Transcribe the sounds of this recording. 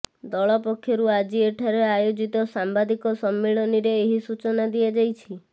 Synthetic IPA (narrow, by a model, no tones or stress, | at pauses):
d̪ɔɭɔpɔkʰːjɔɾuad͡ʒieʈʰaɾeajod͡ʒit̪ɔsambad̪ikɔsɔmːiɭɔniɾeːɦisut͡ʃɔnad̪iad͡ʒajt͡ʃʰi